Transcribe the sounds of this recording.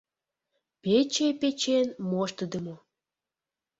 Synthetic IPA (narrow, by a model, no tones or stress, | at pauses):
pet͡ɕepet͡ɕenmoʃt̪əd̪əmo